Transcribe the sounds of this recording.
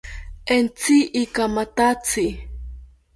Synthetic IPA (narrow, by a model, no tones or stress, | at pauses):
ent͡siʔikamat̪at͡si